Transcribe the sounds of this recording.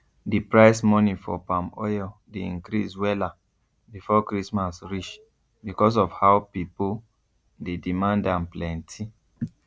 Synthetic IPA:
dipɹaɪsmɔnifɔ̰pãmɔ̰jɔdeĩŋkɾiswɛla | bifɔkɹismasɹit͡ʃ | bikɔs̬ɔfhawpipo | dedimãndãnplɛ̃ntʰi

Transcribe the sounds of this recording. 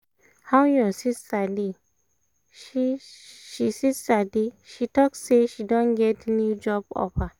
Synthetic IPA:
hawjɔsistadi | ʃiʃisistadiʃitɔksːeʃidõnɡɛtnjud͡ʒɔbɔ̰pa

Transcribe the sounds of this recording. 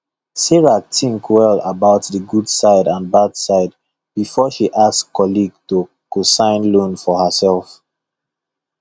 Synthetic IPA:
sɛɹatʰĩŋkʰwɛlabaʊtðəɡudsaɪdãnbadsaɪd̚ | bifɔʃiʔaskːɔliɡ̚to | kosãɪ̃nlõnfɔhəsɛlf

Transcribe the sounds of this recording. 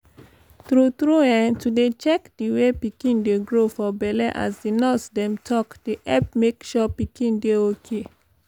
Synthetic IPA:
t̪ɾut̪ɾuɛ̃ntudet͡ʃɛkdiwepikĩndeɡɹofɔbɛlɛʔa̰sdinɔsdɛ̃mtʰɔkd̥iʔɛp̚mekʃɔpikĩndeokʰe

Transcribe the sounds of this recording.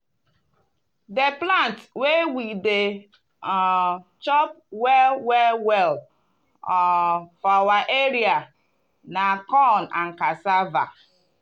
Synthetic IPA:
deplantwewide | t͡ʃɔp̚ | wɛwɛwɛl | ɔfawaʔeɾia | nakɔnaŋ̩kasava̰

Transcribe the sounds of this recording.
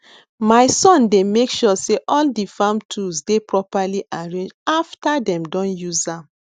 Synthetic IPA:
maɪsɔ̃ndemekʃɔseʔɔldifãmtʰuzdepɹɔpaliʔaɹẽnd͡ʒaftadɛ̃mdɔ̃njuzãm

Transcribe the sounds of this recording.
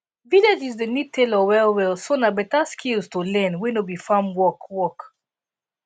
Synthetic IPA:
vilad͡ʒizdənitʰelɔwɛlwɛlsonabɛtaskʰilstulɛ̃nwinobifãmwɔkwɔk

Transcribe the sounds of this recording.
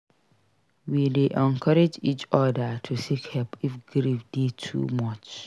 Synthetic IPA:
wideʔɛ̃ŋkʰɔɾɛd͡ʒit͡ʃɔdatʰusikhɛpʰifɡɾifdetʰṵmɔt͡ʃ

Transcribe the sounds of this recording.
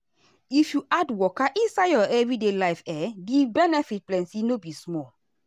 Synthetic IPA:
ifjuʔadwɔkaʔĩnsaɪjɔɛvɹidelaɪfɛɡivbɛnɛfit̚plɛ̃nsinobismɔl

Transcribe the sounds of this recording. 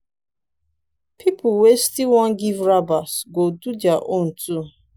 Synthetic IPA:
pʰipʰʊwestilwɔ̃nɡivɹabasɡodudjaʔon̩tu

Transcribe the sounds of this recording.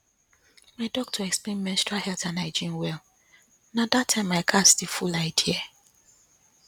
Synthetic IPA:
maɪdɔk̚tʰɔɛksplẽnmɛ̃nstɹahɛltanaɪd͡ʒĩnwɛl | nadatʰːãɪ̃maɪkʰastifulaɪtiɛ

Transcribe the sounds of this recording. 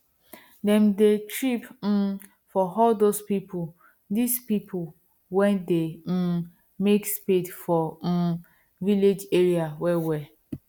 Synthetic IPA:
dɛ̃mdetɹipm̩ | fɔɦɔldospipʊ | dispipʰʊ | wɛ̃nde | mekspedfɔ | viled͡ʒeɹiawɛwɛ

